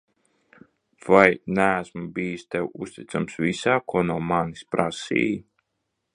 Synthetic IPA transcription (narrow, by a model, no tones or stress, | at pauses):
v̥ajnææsmubiːjist̪ɛwust̪it̪samsvʲisaːkuɔnuɔmanispɾasḭːji